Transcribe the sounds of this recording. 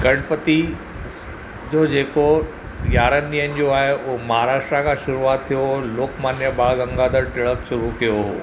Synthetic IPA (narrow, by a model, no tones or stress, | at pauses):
ɡɐɽ̃pət̪i | d͡ʑoːd͡ʑeːko | jaːɾənːiːənɪ̆d͡ʑoaːɦeʊɦomɐɦaːɾaːʃʈɾakʰãʃʊɾuaːt̪ʰːijoloːkmaːnjəbaːɭɡɐ̃ŋɡad̪əɾʈɪɭəkʃʊɾukijoɦo̰